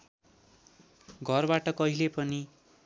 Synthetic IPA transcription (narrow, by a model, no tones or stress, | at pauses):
ɡʱʌrbaʈʌkʌɦilepʌni